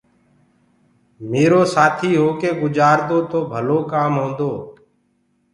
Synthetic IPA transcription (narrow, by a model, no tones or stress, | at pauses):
meːɾoːsaːt̪ʰiːɦoːkeːɡʊd͡ʒaːɾd̪oːt̪oːbʱəloːkaːmɦõːnd̪oː